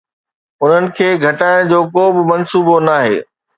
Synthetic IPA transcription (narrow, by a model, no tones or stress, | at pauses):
ʊn̤ənɪ̆kʰeːɡʱɐʈaːɪɽ̃d͡ʑoːkoːbɪmɐnsuːbonaːɦḛː